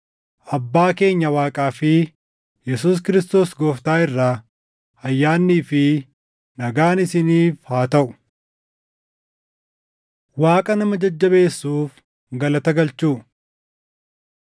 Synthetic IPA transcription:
ʔɐbːaːke̞ːɲːɐwaːkʼaːfɪ | jɛsuːs̬kɪɾɪst̪o̞ːsɡoːft̪aːɪrːaː | ɐjːaːnːiːfɪ | nɐɡaːnɪsɪniːfhaːt̪ɐʔʊ̥ | waːkʼɐnɐmɐd͡ʒɐd͡ʒːɐbe̞ːsːuːf | ɡɐlɐt̪ɐɡɐlt͡ʃuː

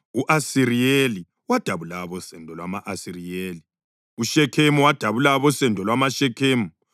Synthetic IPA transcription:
uʔasiɾijeli | wad̥ʱaβulaβɔsɛndʱɔlwamaʔasirijeːli | uʃɛkʰemuwad̥ʱaβulaβɔsɛndʱɔlwamaʃɛkʰeːmu

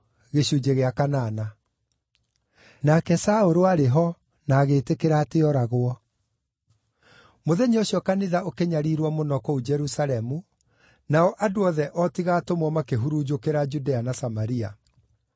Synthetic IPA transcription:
ɣeʃud͡ʒeɣeakanaːna | nakɛsaoɾoaɾeɦɔ | naːɣetekeɾaːteɔɾaɣwɔ | moðɛɲeɔɕjɔkaniðaokeɲaɾiɾwɔmonɔkɔud͡ʒɛɾusalɛmu | naɔʔadoɔðɛʔɔtiɣaːtomwɔmakeɦuɾud͡ʒokeɾad͡ʒudeanasamaɾia̰

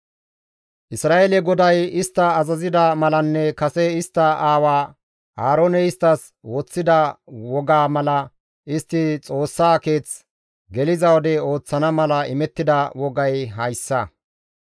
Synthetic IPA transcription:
ʔɪsɾaːelɛɡɔd̪ɐjɪst̪ːɐːzɐzɪd̪ɐmɐlɐnːɛkɐsɛɪst̪ːɐʔaːwaː | aːɾoːnɛɪst̪ːɐs | wɔt͡sːɪd̪ɐwɔɡaːmɐlɐ | ʔɪst̪ːɪt͡sʼo̞ːsːaːke̞ːt͡s | ɡɛlɪzɐwɔd̪ɛo̞ːt͡sːɐnɐmɐlɐɪmɛt̪ːɪd̪ɐwɔɡɐjɦɐjsːɐ

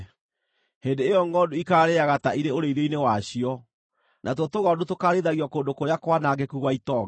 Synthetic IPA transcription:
hendeːjɔŋɡɔndoikaːɾeaɣataiɾeoɾeiɾeinewaɕiɔ | nʔatɔtoɣɔdotokaɾeðaɣiɔkoːndokoɾeakwanaːɡekuɣwaitɔ

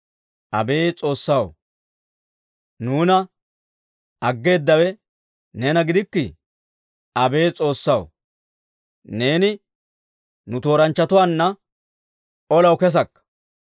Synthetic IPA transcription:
ʔɐ̰be̞ːt͡sʼo̞ːsːɐw | nuːnɐ | ɐɡːe̞ːd̪ːɐwɛ | neːnɐɡɪd̪ɪkːɪ | ʔɐbe̞ːt͡sʼo̞ːsːɐw | ne̞ːnɪ | nʊt̪o̞ːɾɐnt͡ʃːɐt̪ʊwaːnːɐ | ɔlɐwkɛs̬ɐkːɐ̥

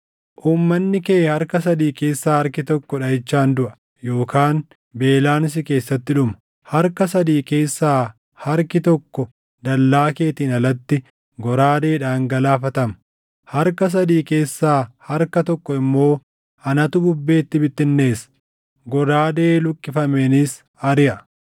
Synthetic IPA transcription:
ʔuːmːɐnːɪkeːhɐɾkɐs̬ɐd̪iːke̞ːsːaːhɐɾkɪt̪ɔkːɔᶑɐjɪt͡ʃːaːnd̪ʊʔɐ | jo̞ːkaːn | be̞ːlaːnɪs̬ɪke̞ːsːɐt̪ːɪᶑʊmɐ | hɐɾkɐsɐd̪iːke̞ːsːaː | hɐɾkɪt̪ɔkːɔ | d̪ɐlːaːke̞ːt̪iːnɐlɐt̪ːɪ | ɡɔɾaːd̪e̞ːᶑaːŋɡɐlaːfɐt̪ɐmɐ | hɐɾkɐs̬ɐd̪iːke̞ːsːaːhɐɾkɐt̪ɔkːɔɪmːo̞ː | ɐnɐt̪ʊbʊbːe̞ːt̪ːɪbɪt̪ːɪnːe̞ːsɐ̥ | ɡɔɾaːd̪e̞ːlʊkʼːɪfɐmeːnɪs | ɐɾɪʔɐ

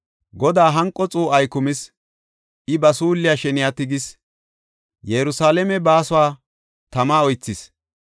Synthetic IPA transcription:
ɡɔd̪aːɦɐŋkʼːɔt͡sʼuːɐjkʊmɪs | ɪbɐsuːlːɪjaʃɛnɪjat̪ɪɡɪs | jɛɾʊsaːlɛmɛbaːsʊwaː | t̪ɐmaːɔjt͡sːɪs

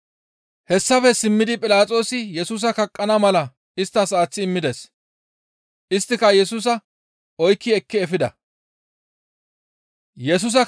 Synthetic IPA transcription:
hɛsːɐfɛsɪmːɪd̪ɪpʼɪlaːt͡sʼo̞ːsɪjɛsuːs̬ɐkɐkʼːɐnɐmɐlɐ | ɪst̪ːɐsaːt͡sːɪːmːɪd̪ɛs | ʔɪst̪ːɪkɐjɛsuːs̬ɐ | ɔjkːɪɛkːɪɛfɪd̪ɐ̰ | jɛs̬ʊs̬ɐ

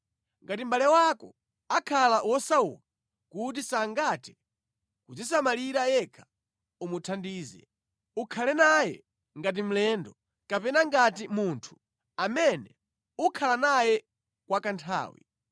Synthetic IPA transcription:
ŋɡatim̩balɛwakɔ | akʰalawɔsaṵːka | kut̬isaŋɡatɛ̥ | kud͡zisamaliɾajɛkʰḁ | umutʰandiːzɛ̰ | ukʰalɛnajɛ̰ | ŋɡat̬im̩lɛːndɔ | kapɛnaŋɡatimuntʰu̥ | amɛnɛ | ukʰalanajɛ | kwakantʰa̰ːwḭ

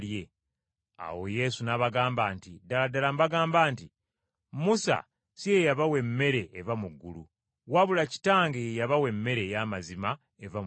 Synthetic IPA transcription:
lje̞ | a̰wo̞je̞sunaβaɡaːmbaːntidaladalambaɡaːmbaːnti | musa̰ | sijejaβawe̞mːe̞ɾe̞ːvamuɡːulṵ | waβulaci̥taːŋɡejejaβawe̞mːe̞ɾe̞jamazima | e̞vam

